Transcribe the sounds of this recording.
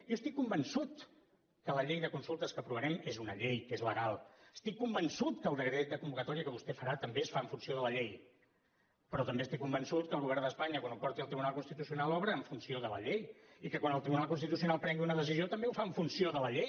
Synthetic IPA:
jɔəst̪ikːumbənsut̪ | kələʎejðəkunsulˠt̪əskəpɾuβənɛmezunəʎejkezləɣalˠəst̪ikːumbənsut̪kəːlˠd̪əɣɾet̪̚d̪əkumbukət̪ɔɾiəkəβust̪efəɾat̪əmbesfaəɱfunsioðələʎej | pəɾɔt̪əmbest̪ikːumbənsut̪̚kəlˠɣuβɛrnd̪əspaɲəkwanupɔɾt̪iəlˠt̪ɾiβunalˠkunst̪it̪usiunalˠɔβɾəːɱfunsioðələʎejikəkwanəlˠt̪ɾiβunalˠkunst̪it̪usiunalˠpɾɛŋɡiunəðəsiziot̪əmbeufaəɱfunsioðələʎej

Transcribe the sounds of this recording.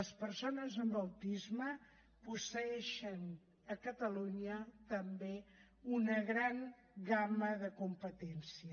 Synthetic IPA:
əspəɾsonəzəmbəwt̪izmə | pusəɛʃən | əkət̪əluɲət̪əmbe | unəɣɾaŋ | ɡaməðəkumpət̪ɛnsiə

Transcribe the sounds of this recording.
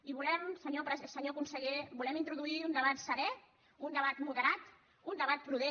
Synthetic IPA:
iβulɛmsəɲopɾəzsəɲokunsəɣebulɛmint̪ɾuðuiund̪əβat̪səɾɛ | und̪əβat̪muðəɾat̪ | und̪əβat̪̚pɾuðe

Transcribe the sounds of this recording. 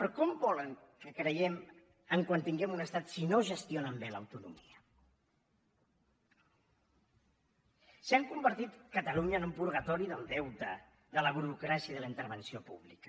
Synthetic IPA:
pəɾɔkɔmbɔləŋkəkɾəjɛm | əŋkwant̪iŋɡɛmunəst̪at̪sinoʒəst̪jonəmbelə̰wt̪unṵmiə | saŋkumbəɾt̪it̪kət̪əluɲəːnumpuɾɣ̞ət̪ɔɾiðəlˠd̪ɛwt̪ə | ðələβ̞uɾukɾasiəðələint̪əɾβ̞ənsiopṵβlikə̥

